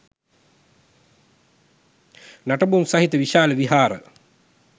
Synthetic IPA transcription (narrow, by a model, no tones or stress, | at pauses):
naʈəbumsaɦit̪əʋiʃaːləʋiɦaːɾə̰